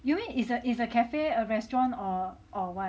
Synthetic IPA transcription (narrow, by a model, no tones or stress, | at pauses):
jumĩnisəʔisəkʰɛfeəɹɛstɹɔ̃nɔʔɔwɔ